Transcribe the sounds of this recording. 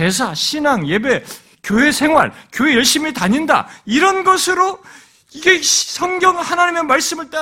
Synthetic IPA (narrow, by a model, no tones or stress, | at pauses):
e̞sʰaɕʰinaŋje̞be̞ | kjoɦe̞sʰe̞ŋɦwa̰ɭkjoɦejʌɭɕ͈imitaɲinda̰iɾʌnɡʌsʰɯɾo | iɡe̞sʰʌŋɡjʌŋhanaɲimemaɭs͈ɯmɯɭt͈ʼa